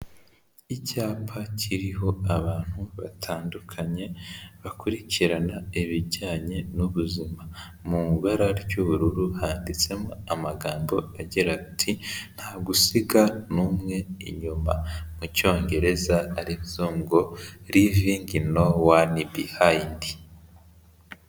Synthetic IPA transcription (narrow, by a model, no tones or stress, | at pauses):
icaːpʰacʰiɾiɦo̞aβaːn̥huβatʰaːndukʰaɲe̞βakuɾiciɾanaiβiɟaːɲe̞nuβuzima | mumuβaɾaɾɟuβuɾuɾuhaːndit͡se̞moamaɡaːmbo̞aɟiɾatʰin̥haːɡusiɡanumŋe̞ḭɲuma̰muco̞ːɲɟe̞ɾe̞zaːɾizuːŋɡo̞ɾiviːŋɡino̞wanibihaindi